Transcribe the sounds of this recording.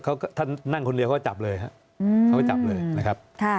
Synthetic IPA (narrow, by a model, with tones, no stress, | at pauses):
kʰa˦˥wkt̪ʰaː˥˩na˥˩ŋkʰo˧ndi˧ka˦ɔ˥˩t͡ɕa˨˩p̚lɤː˧jɦa̰˦˥ʔ | ɯː˧a˦wkːt͡ɕa˨˩p̚lɤː˧jna˦˥˩kʰa˦˥p̚kʰa˥˩